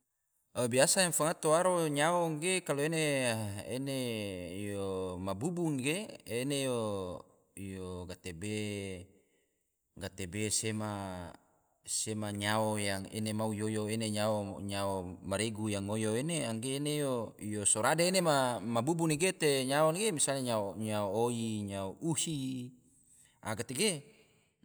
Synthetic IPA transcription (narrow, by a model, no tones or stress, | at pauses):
əbiasajaŋfaŋat̪oaɾoɲaoŋɡekaloeneḛnejomabubuŋɡeenejo | ijoɡat̪ebe | ɡat̪ebesema | semaɲaojaŋḛnemaujojoeneɲaoɲaomaɾeɡujaŋojoeneaŋɡeːnejoijosoɾadeenemamabubuniɡet̪eɲaonɡemisaleɲaoɲaooiɲaoʔuhi | ʔa̰ɡat̪eɡe